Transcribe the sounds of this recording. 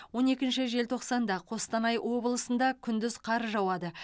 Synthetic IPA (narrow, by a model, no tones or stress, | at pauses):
wwo̞ne̞kʲɪnʃɪʒe̞lt̪ʰo̞qsɑnd̪ɑqʰo̞st̪ɑnɑjwo̞bəlˠəsənd̪ɑkʲʰʏnd̪ɪzqʰɑɾəʒɑwɑd̪ə